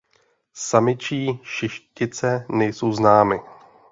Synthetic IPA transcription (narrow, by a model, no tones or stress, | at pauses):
samɪt͡ʃiːʃɪʃcɪt͡sɛnɛjso̞wznaːmɪ